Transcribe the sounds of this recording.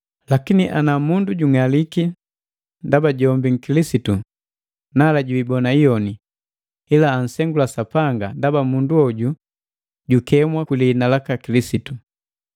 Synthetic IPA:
lakiniʔanamunduɟuŋaliki | ndabaɟɔmbiŋ̩kilisitu | nalaɟuiːbɔnaijɔni | ilaːn̩sɛŋɡulasapaŋɡandabamunduɔɟu | ɟukɛmwakulinalakakilisitu

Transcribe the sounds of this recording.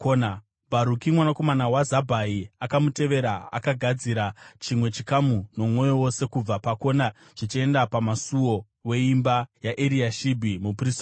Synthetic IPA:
koːna | bʱaɾukimwanako̞manawazabʱaiakamute̞ʋe̞ɾaa̰kaɡʱad͡ziɾat͡ʃimwe̞t͡ʃikamuno̞mwo̞jo̞wo̞se̞kub͡vapako̞na | ʐ̥it͡ʃie̞ndapamasuwo̞ | we̞imbajaʔeɾiaʃibʱimuprista

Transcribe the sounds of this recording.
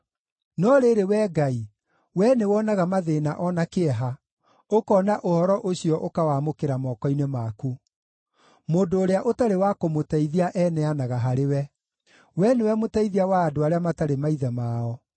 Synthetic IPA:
nɔɾeɾewɛːɡai | wɛnewɔnaɣamaðeːna̰ʔɔnakeɛɦa | okɔːnaʔohɔɾɔʔoɕiɔʔokawaːmokeɾamɔkɔinemaku | moːndoːɾeaʔotaɾewakomotaiðiaʔɛnɛanaɣaɦaɾewɛ | wɛnewɛmotaiðiawaːdoaɾeamataɾemaiðɛmaːɔ

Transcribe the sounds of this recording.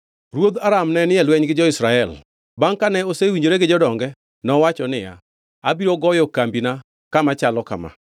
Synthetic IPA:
ɾwod̪aɾamnɛnɪɛlwɛɲɡɪd͡ʒɔɪsɾaɛl | baŋkanɛosewiɲd͡ʒoɾeɡɪd͡ʒɔdɔŋɡɛ | nɔwat͡ʃɔnɪja̰ | abiɾoɡɔjɔkambina | kamat͡ʃalɔka̰ma̰

